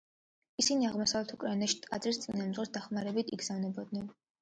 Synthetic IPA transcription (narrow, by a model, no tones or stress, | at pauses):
isiniaʁmɔsavlɛt̪ʰukʼɾainaʃi̥t̪ʼqʼad̪zɾist̪sʼinamd̪zʁɛsd̪aχmaɾɛbit̪ʰiɡz̥avnɛbɔd̪nɛn